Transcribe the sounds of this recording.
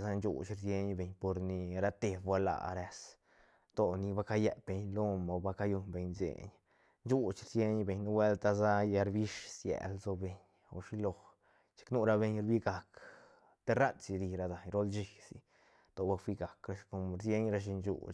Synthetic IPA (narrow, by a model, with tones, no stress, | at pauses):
za˦nt͡ʃṵ˨t͡ʃɾsje˦ɲbe˨ɲpo˨ɾni˨ɾa˧t̪e˨bbʷwa˧˦la̰˧˨ɾe˧s | t̪o˨ni˧ba˦ka˦je˧be˨ɲlo˦ma˨˧ba˧ka˧ju˧nbe˧ɲzḛ˨ɲ | nt͡ʃu˦t͡ʃɾsje˦ɲbe˨ɲno˧˦we˦lt̪a˧za˦ja˧ɾbi˦ʂsjḛ˨lzo˧be˨ɲ | o̰˨ʂi˦lo˧ | t͡ʃi̥˧knu˦ɾa˧be˧ɲɾbi˦ɡa˨k | t̪e˦ɾa˦t̪si˧ɾi˧ɾa˧d̪a˨ɲɾo˦lt͡ʃi˧sḭ˧ | t̪o˧ba˧fʷi˦˧ɡa˨kɾa˧ʃko˧mɾsje˦ɲɾa˧ʃ̬i˧nd͡ʒṵ˧t͡ʃ